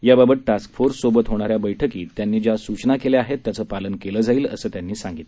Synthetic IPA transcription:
jababəʈ̪̚ʈaskfoɾsːobət̪ɦoɽ̃aɾjabəjʈʰəkiːt̪ːjanːiːd͡ʑjasut͡ɕnakeleaɦet̪ːjat͡səːpalənkeləːd͡zaiːlə̰səːt̪janːiːsãŋɡit̪

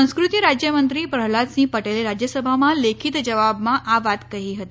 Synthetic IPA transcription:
ə̃w̃skɾut̪iɾad͡ʑjəmənt̪ɾiːpɾəɦɭat̪sĩpəʈeleɾad͡ʑjəsəbʱamalekʰiːt̪d͡ʑəʋabmaʔaʋat̪kaɦiːɦət̪e

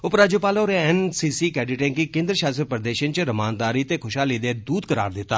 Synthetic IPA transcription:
ʊpɾaːd͡ʒepaːloːɾeɛnsiːsiːkɛːɖɪʈẽŋkikɪ̃nd̪ɾəʃaːsɾpɾəd̪eːʃə̃nt͡ʃəɾəmaːnd̪aːɾit̪ekʰʊʃɦaːlid̪eːd̪uːd̪kəɾa̰ːɾd̪ɪt̪ːaː

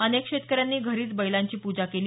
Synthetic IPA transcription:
ənekʂet̪̚kəɾjanːiːɡʱəɾiːt͡sbəjlaɲt͡ɕiːpud͡ʑakeliː

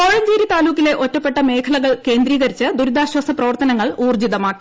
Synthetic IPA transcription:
koːɻɐɲd͡ʑiːɾit̪aːluːkːile̞ʔotːɐpːe̞ʈːɐme̞ːkʰɐɭɐɣɐɭke̞ːnd̪ɾiːɣɐɾit͡ɕːɨd̪uɾid̪ʱaːɕwɐsɐprɐʋɐrt̪ɐnɐŋːɐɭuːrd͡ʑid̪ɐmaːkːi̥

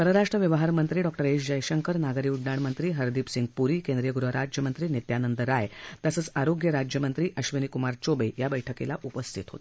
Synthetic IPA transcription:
pəɾəɾaʂʈɾəʋjəʋəɦaɾmənt̪ɾiːɖɔk̚ʈəɾeɕd͡ʑəjɕəŋkəɾnaɡəɾiːuɖɳaɳmənt̪ɾiːɦəɾd̪ipsiŋɡ̚puɾiːkend̪ɾijəɡuɾəɾad͡ʑjəmənt̪ɾiːnet̪janənd̪əɾajt̪asət͡saɾoɡjəɾad͡ʑjəmənt̪ɾiːʔəɕʋinikumaɾt͡ɕobəjabəjʈʰəkḛla̰ʔupəst̪ʰit̪ɦo̰t̪

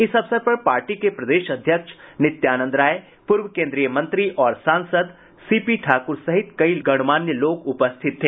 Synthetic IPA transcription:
ɪsɐʋsəɾpɐɾpaːɾʈikepɾɐd̪eːʃɐd̪ʱjəkʃnɪt̪jaːnə̃nd̪ɾaːe | pʊɾʋəkẽːnd̪ɾijəmɐ̃nt̪ɾiʔɔːɾsãːnsəd̪ | siːpiʈʰaːkʊɾsɐɦɪt̪kɐilɡɐɽ̃maːnjəloːkʊpəst̪ʰɪt̪ʰːeː

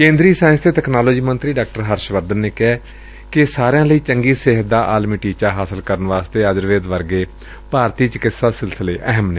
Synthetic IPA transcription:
kẽːnd̪ɾiːsaːɪnsd̪eːt̪ɛːknaːloːd͡ʒiːmənt̪ɾiːɖaːk̚ʈəɾɦəɾʃʋəɾd̪ənːeːkɛː | kɪsaːɾejãːləiːt͡ʃəŋɡiːsɪɦət̪̚d̪aːʔaːlmiːʈiːt͡ʃaːɦaːsəlkəɾənʋaːst̪eːəd͡ʒəɾʋeːd̪ʋəɾɡeː | paːɾt̪iːt͡ʃəkɪsaːsɪlsəleːʔɛɦəmne

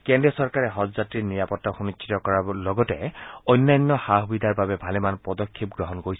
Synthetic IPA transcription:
kendiɔsɔɹkaɹɛɦɔzzatɹiniɹapɔtːaxunit͡ʃʰːi̥tɔkɔɹaɔlɔɡɔtɛojnːajnːɔxaɦubid̪ʱaɹbabɛbʱalɛmanpɔdɔkʰːip̚ɡɹɔɦɔnkoɹis

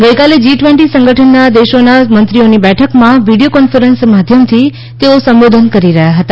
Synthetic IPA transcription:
ɡəjkaled͡ʒiʈʋeɳʈisə̃ŋɡʱəʈʰənːad̪eʃonamənt̪ɾionibɛʈʰəkmãʋiɽijokɔnfəɾənsmad̪ʱjəmt̪ʰi | t̪eosəmbod̪ʱənkəɾiɾəɦjaɦət̪a

